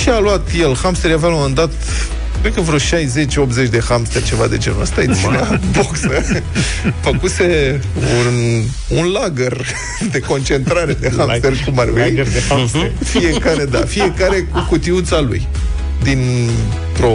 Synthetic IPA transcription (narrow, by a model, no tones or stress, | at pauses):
ʃialuat̪jelhamst̪eɾjavalomand̪at̪ | kɾet̪̚kəvɾoʃajze̞t͡ʃʲo̞p̪ze̞t͡ʃʲd̪e̞xamst̪erʲt͡ʃe̞vad̪e̞̰d͡ʒenə̰st̪ajet̪sinaboksə | fəkuse̞ | un | unlaɡər | d̪e̞ko̞nt͡ʃe̞nt̪ɾaɾe̞d̪ehamst̪erkumarwi | fie̞kaɾed̪a̰fie̞kaɾe̞kukut̪iut̪salṵj | d̪in | t̪ɾo̞